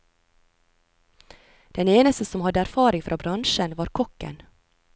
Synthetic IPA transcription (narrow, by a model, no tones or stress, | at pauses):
d̪̥ɛneːnəst̪əsɔmhɑd̪əæɾfɑːɾɪŋfɾʔɑːbɾɑnʃənʋɑːɾkʰɔkːə̰n